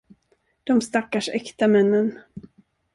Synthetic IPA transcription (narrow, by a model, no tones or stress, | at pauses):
d̪̥ɔmst̪akːaʂɛkt̪amɛnːən